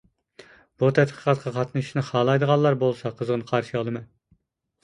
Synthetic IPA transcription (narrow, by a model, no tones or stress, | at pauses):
b̥ut̪ʰɛt̪qʰə̥qʰɑt̪qʰɑqʰɑt̪nɨʃnɨχɑːlˠɑjd̪əʁɑnlːˠɑɾbolˠsɑqʰəzʁənɨqʰɑɾʃiɑlˠɨmɨ